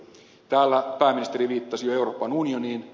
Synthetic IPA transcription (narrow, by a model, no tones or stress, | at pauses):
t̪æːlːæpæːmːinist̪eɾiʋiːt̪ːɑsijoeuro̞ːpɑnunioniːn